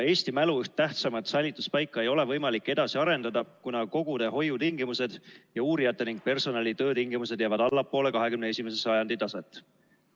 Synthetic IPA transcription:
e̞ːst̪imæluyht̪ːæht̪sɑmɑt̪sɑjlʲːit̪ːˑu̥spɑjkːˑɑe̞jo̞le̞vɤjmɑlikːˑe̞d̪ɑsiɑɾe̞nd̪ɑd̪ɑkunɑko̞ɡ̥ud̪̥e̞ɦo̞jːut̪iŋɡimuse̞d̪̥jɑuːɾijɑt̪ːˑe̞niŋɡ̥̚pe̞rso̞nɑlʲit̪ø̞ːt̪iŋɡ̥imus̬e̥jæːvɑd̪̥ɑlːɑpːˑo̞ːle̞kɑɦe̞kymnee̞sʲimese̞sɑjɑnd̪it̪ːɑset̪ːˑ

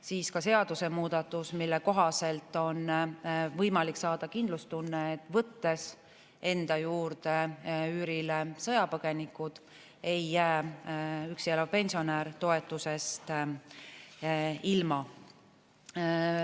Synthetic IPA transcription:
siːskɑse̞ɑd̪̥use̞muːd̪̥ɑt̪ːˑusmilːe̞ko̞ɦɑse̞lt̪ːˑo̞nvɤjmɑlikːsɑːd̪̥ɑkind̪lust̪unːeːt̪ːˑvɤt̪ːe̞s | e̞nd̪̥ɑjuːrd̪eyːɾilesɤjɑpɤɡ̥e̞nikːˑud̪̥ | e̞jːæː | yksielɑvpe̞nʲsio̞næːɾt̪o̞e̞t̪ːˑuse̞st̪ | ilmɑ

